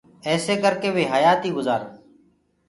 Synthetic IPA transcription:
ɛːseːkəɾkeːʋeːɦajaːt̪iːɡʊzaːɾ

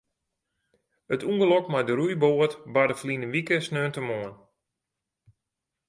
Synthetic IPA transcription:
ətuŋɡəlɔkmajdəɾujboətbadəflinənʋikəsnøːntəmoən

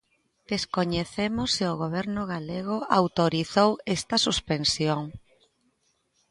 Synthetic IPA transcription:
d̪̥eskoɲeθemʊsːɪʊɣoβ̞ɛɾnʊɣaleɣ̞ʊawt̪oɾiθowest̪ɐsuspensjoŋ

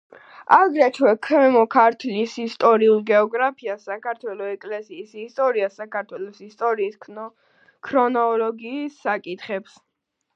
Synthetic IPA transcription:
aɡɾɛt̪ʰwɛkʰɛmɔkʰaɾt̪ʰlisist̪ʼɔɾiulˠɡɛɔɡɾapʰiasakaɾt̪ʰwɛlɔɛkʼlɛsiːsist̪ʼɔɾiasakʰaɾt̪ʰwɛlɔsist̪ʼɔɾiːskʰ | kʰɾɔnɔlɔɡiːsːakʼit̪ʰχɛps

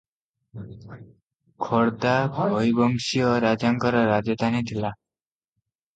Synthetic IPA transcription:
kʰɔɾd̪abʱojbɔŋsiɔɾad͡ʒaŋkɔɾɔɾad͡ʒʌt̪anid̪ʰʱila

